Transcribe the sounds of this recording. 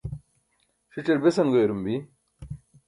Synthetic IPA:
ʂit͡ɕeɾbesɐnɡojɾumbi

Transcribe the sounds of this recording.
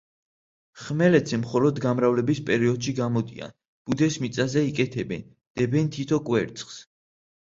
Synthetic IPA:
χmɛlɛt̪zɛmχɔlɔd̪ɡamɾavlɛbispʼɛɾiɔd̪̥ʃiɡamɔd̪ia̰n | b̥ud̪ɛsmit̪sʼazɛikʼɛt̪ʰɛbɛ̰n | d̪̥ɛbɛnt̪ʰit̪ʰɔkʼwɛɾt̪sʼχs

